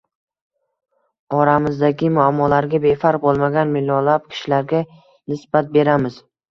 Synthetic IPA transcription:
ɒɾamɪzd̪aɡʲɪmʊamːɒlaɾɡʲabe̞faɾq̚bolˠmaɡʲanmɪlːɒlap̚kʲʰɪ̥ʃɪlaɾɡʲa | nɪsbat̪̚be̞ɾamɪz̥

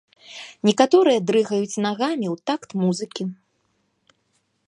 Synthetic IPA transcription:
nʲɛkat̪ɔɾɨjɐd̪ɾɨɣɐjut͡sʲnaɣamʲiwt̪akt̪muzɨkʲi

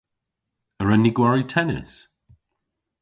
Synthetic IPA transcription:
əɹɛniɡwaɹitʰɛnɪ̰s

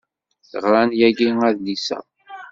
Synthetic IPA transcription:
θʁɾˤanjæɡiŋæðlisæ̰

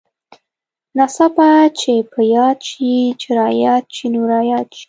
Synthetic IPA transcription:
nasapat͡ʃepʰəjɑd̪̚t͡ʃit͡ʃɪɾɑjɑt̪̚t͡ʃinuɾɑjɑt̪̚t͡ʃi̥

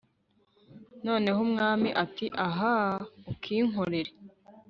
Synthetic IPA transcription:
no̞ːne̞ɦomŋaːmiʔatiʔaɦaukʰiːŋɦoɾe̞ɾe

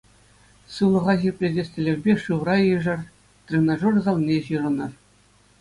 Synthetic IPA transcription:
sɯlˠɤ̆ʁɑʑirʲpʲlʲedʲesʲtʲĕlʲeʋʲbʲeʂɯʋrɑjɯʐɤ̆r | t̪ʲrʲenɑʐurzɑlˠnʲeʑɯɾɤ̆nɤ̆r

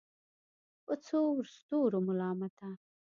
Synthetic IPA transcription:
ət͡sʰoɾst̪oːɾomʊlɑːmat̪a

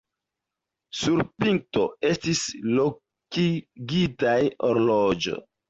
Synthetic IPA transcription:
suɾpiŋk̚to̞̰e̞stislo | kiɡitajoɾlod͡ʒo̞̰

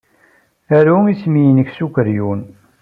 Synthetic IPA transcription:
æɾuismijənəksukʷəɾjun

